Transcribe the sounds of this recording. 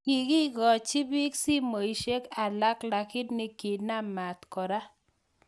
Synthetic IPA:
i˨ɡi˦ɡɔ˨t͡ʃi˦bi˦ksi˦mo˨i˨ʃe˦ka˨la˦kla˨kɪ˦tnɪ˦ki˨na˦˨ma˨t̪kɔ˨ɾa˦

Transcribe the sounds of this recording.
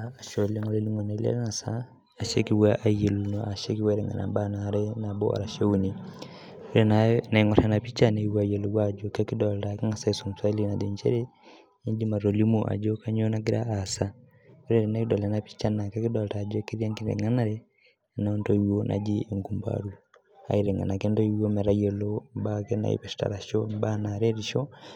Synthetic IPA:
aa˨ʃo˨la˦ŋɔ˦le˦li˦ŋo˨na˨˦lɛ̰˦ɾna˨saː˦˨ | ʃe˦ki˦wa˦ʔa˨je˨lu˨no˨ʔa˨ʃe˦ki˦wɛ˦ɾɛ˨ŋa̰˨na̰˨ba˦na˨ɾe˦na˨bo̰˦a̰ɾa˨ʃe˦u˦ni˨ | we˦ɾe˦na˨na˨i˨ŋɔ˨ɾa˨na˨pi˦t͡ʃa˦ne˨i˦wa˨je˨lu˨ɡwa˦d͡ʒo˨ke˦ki˦dɔ˨lta˨ka˦ŋa˨sa˦i˨su˨msa˦li˦na˨di˨ɲt͡ʃḛ˦ɾe˦ | i˦ɲd͡ʒi˦ma˨ɾo˨li˦muʔa̰˨d͡ʒo˦kaɲo˦na˦k̬i˦ɾa˦ʔa˨sa | u˦ɾɛ˨ɾɛ˨naki˦dɔ˨lɛ˨napi̥˦t͡ʃa˦na˨ka˦ki˦dɔ˨ltad͡ʒo˦ki˦ɾi˦a˦ŋki˦ɾɛ̰˨ŋa˦na˨ɾɛ | naonto˦iwo˦nʔa̰˨d͡ʒi˦eŋɡumba̰ɾu˦ | a̰˨iɾɛ˨ŋa̰˨na˨ke˦ndo˦iwo˦mɛ˨ɾa˦jɛ˨lombakɛna̰˨ḭ˦pɛsi̥ta̰ɾa˨ʃɔmbana˨ɾe˦ɾiʃɔ˦

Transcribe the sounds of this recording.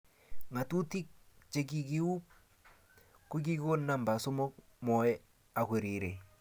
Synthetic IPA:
ŋa˨tu˦ti˦k̚ | t͡ʃe˦k̬i˨k̬i˦u˦p̚ | ko˦ki˦ko˦nːa˦˨mba˨so˦mo˦k̚ | mɔ˨ɛ˦ | a˨kwe˨ɾi˨ɾe˨

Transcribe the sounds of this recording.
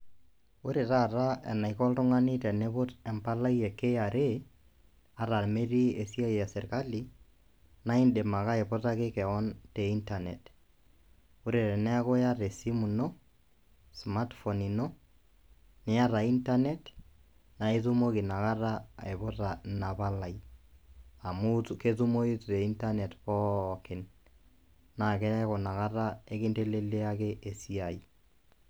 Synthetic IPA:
ʊ˦ɾe˨ɾa˦˨ɾa˦ɛ̰˨na˨ikɔ˦ltʊ˦ŋa˦ni˦tɛ˨ne˦bʊ˦tɛ˨mpa˦la˦ijɛ˨kːe˦a˨ɾʔe | a˨ɾa˨me˦ɾi˦e˨si˦a˦jɛ˨sɛ˨ɾka˦li˨ | na˦i˦nde˨ma˨ka˦ɪ˨pɔ˦ta˦kɪ˦kɛ˨ɔ˦nte˨i˦nta˨nḛ˨t | ʊ˦ɾe˨ɾɛ˨nɛ˦ko˦ja˦ɾe˨si˦mu˨no˦ | sma˦tfo˨ni˨no˦ | nɪ˦ja˦ɾa˨i˦nta˦ne˦t | na˨i˦tu˦mo˦kɪ˨na˨ka˦ra˦e˨bʊ˦ra˨na˨ba˦la˨j | a˨mu˦ke˦tu˦mo˦ji˦tu˨ɾe˨i˦nta˦ne˨tpɔ˦kɪ˨nː | a˨ke˦ɛ˦ko˨na˨ka˦ra˦e˦kɪ˦nte˦le˦lːe˦a˦ke˦ʔe˨si˦a˨i

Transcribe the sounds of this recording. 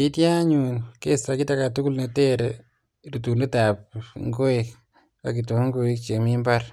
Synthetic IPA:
i˦ti˦a˦ɲu˨nke˦sta˨ki˦ta˨ka˨tu˦ku˦lne˨te˦ɾe | ɾu˨tu˨le˦ta˨pŋɡo˦e˨k | ka̰˨k̬i˨tu˨hŋɡo˨i˦kt͡ʃe˨mi˦mba˦ɾ

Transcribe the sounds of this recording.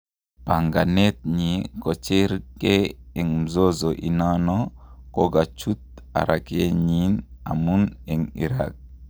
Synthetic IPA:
pa˨ŋɡa˨ne˦t̪̚ɲi˨ko˨t͡ʃe˦ɾke˦e˨ŋm̩zo˦zo˨ʔi˨na˦nokoɡa˨t͡ʃu˦t̪̚a̰˨ɾʔake˦ɲina̰˨mune˨ŋḭɾa̰k̚

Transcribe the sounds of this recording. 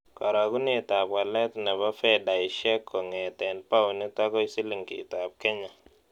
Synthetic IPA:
kɔ˨ɾa˨ɡu˦ni˦˨ta˨p̚ka˨lɛ˦tnɛ˨ba˦fɛ˦da˨jʃɛ˦kʰːɔ˨ŋɛ˨tɛ˨npa˦wni˦ta˦kɔ˦i˦sɪ˦lɪ˨ŋkḭ˨ta˨p̚kɛ˦ɲa˨

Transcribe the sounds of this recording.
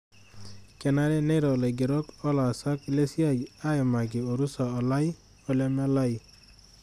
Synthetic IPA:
kɛ˨na˦ɾe˦ne˦ɾɔ˨le˨ɡɪ˨ɾɔ˦kɔ˦la˨sa˦kle˦si˦a˦a˦jɔ˨ma˨ɡɪ˨o˨ɾu˦sa˨ɔ˨la˦j | ɔ˦lɛ˦ma˦la˦j

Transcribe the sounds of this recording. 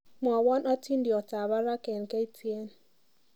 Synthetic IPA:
mwɔ˨wɔ˦nɔ˦ti˦ndi˨ɔ˨ta˨βa˦ɾa˦kɛ˨n˨ke˦i˦tʰi˦e˦n

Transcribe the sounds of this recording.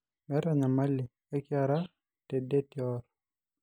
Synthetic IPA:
mɛ˦ɾa˨ɲa˨ma˦li˨ | ɛ˦kja˨ɾa˦ | te˨de˦tjɔ˦ɾ

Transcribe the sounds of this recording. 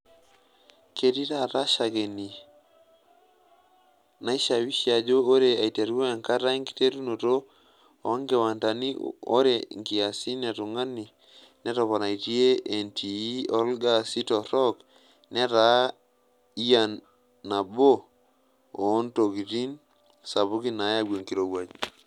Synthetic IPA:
ke˦ti˦ta˦ta˦ʃa˨ɡe˨ni˨ | na˦i˦ʃa˨wi˦ʃia˨d͡ʒo˦o˦ɾe˨a˨i˨te˨ɾu˦a˨ŋka˦ta˦i˦ŋki̥˦te˦tu˦no˨to˦ | o˨˦ŋɡe˨wa˨nta˨ni˦o̰˦ɾe˨ŋɡi˨a˨si˦na˨tu˨ŋɡa˦ni˨ | nɛ˦tɔ˨pa˨na˨i˨ti˦e˦e˨nti˨˦ɔ˦lɡa˦si˦tɔ˨ɾɔ˦k | nɛ˦ta˨ | i˦ja˨nː | a˨bo˦ | o˨˦nto˨ɡi˨ti˦n | sa˨bu˦ki˦na˨˦ja˦ɡo˨ŋki˨ɾo˨wa˨d͡ʒ

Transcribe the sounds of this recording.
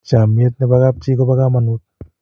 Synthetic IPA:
t͡ʃa˨mi˧˦t̪̚na˧pa˧ka˦p̚t͡ʃi˦kɔ˦pa˧ka˦mːa˧nu˦t̪̚

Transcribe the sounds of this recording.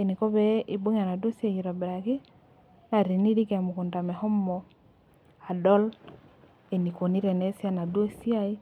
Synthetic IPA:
e˨ni˨kɔ˦βɛ˦ʔi˨bo˦ɲ˦a˨na˨dwo˦si˦a˦˨ji˨ɾɔ˨bɛ˨ɾa˨ki˦ | na˨ɾi˨ni˦ɾi˦ka˨mu˨ku˨nda˨mɛ˨hɔ˦mɔ˨ | a˨dɔ˦l | e˨ni˨ko˨ni˦ɾɛ˨nɛ˨˦sa˦na˨dwo˦si˦a˦i˦

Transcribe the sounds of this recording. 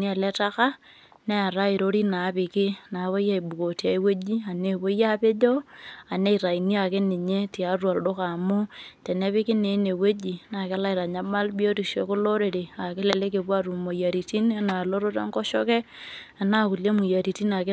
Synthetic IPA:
ni˦a˨lɛ˦ta˦ka˦ | ne˦a˨ɾa˦ɪ˨ɾo˦ɾi˦na˨˦pɪ˨kɪ˦na˨˦βo˦ja˦i˨bu˨ko˨ti˨a˨i˦we˦d͡ʒi˦a˨ne˦βo˦ja˦pe˦d͡ʒɔ˦a˨ne˦i˨ɾa˨ini˦a˨kɪ˦nɪ˨ɲe˦ti˨a˨˦rwa˨ldʊ˦ka˨mʊ˦tɛ˨ne˦pɪ˦kɪ˦ne˨˦ne˨we˦d͡ʒi˨na˨ka˦la˦ɪ˨ɾa˨ɲa˦ma˦lbi˦o˦ti˨ʃe˨˦kʊ˦lo˦ɾe˨ɾe˨a˨kɪ˦le˨le˦ke˨pwa˦ɾu˨mo˨ja˨ɾi˨ti˦n˦a˦na˨lo˦ɾo˦ta̰˦ŋkɔ˦ʃɔ˦ke˦a˨na˦ku˨le˦mu˨ja˨ɾi˨ti˦na˨kɪ˦

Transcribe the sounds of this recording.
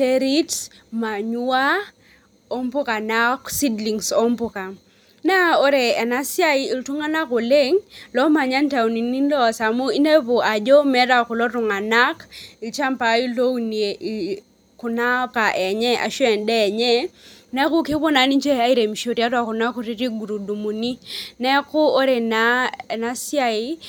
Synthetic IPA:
te˦ɾi˦t | ma˨ɲu˦a˦ | o˦mpʊ˦ka˨na˦ksi˦dli˨ŋso˦mpʊ˨ka˨ | na˦o˦ɾe˨ɛ˨na˦sja˦i˦i˨ltu˦ŋa˦na˦ko˨le˦ŋlɔ˦ma˨ɲa˦nta˨u˨ni˨ni˦nlɔ˦˨sa˨mu˦i˦ne˦bʊ˨ʔa˨d͡ʒɔ˦mɛ˦da˦˨kʊ˨lɔ˦ɾʊ˨ŋa˨na˦ki˨lt͡ʃa˦mpa˨˦i˦lo˦u˦ni˨e˨ʔi˨ | kʊ˨na˦pa˨ʔɛ˨ɲɛ˦ʔa̰˨ʃwɛ˨ndɛ˦˨ɲɛ˦nɛ˦kʊ˦ki˦bɔ˦na˨˦ni˦t͡ʃɛ˦a˦i˦ɾe˨mi˨ʃo˨ɾi˦a˦ɾwa˨kʊ˨na˦kʊ˨˦ɾi˦ɾi˦ɡu˨ɾu˨du˨mu˨ni˦nɛ˦kʊ˦o˦ɾe˨na˨˦ɛ˨na˦si˦a˦i˦

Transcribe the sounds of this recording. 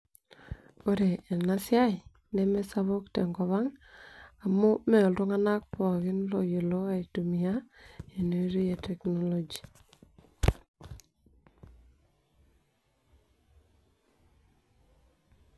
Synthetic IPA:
o˦ɾe˨e˨na˦sja˦i˨ | ne˦me˦sa˦βo˦kte˨ŋɡɔ˨βa˦ŋ | a˨mo˦mɛ˨ɔ˨lo˦ŋa˦na˦k̚pɔ˨ɣɪ˦nlo˨je˨lo˦a˨i˨tu˨mia˦e˨ne˨˦ɾi˦je˨tɛ˨kno˦lo˨d͡ʒi̥˨

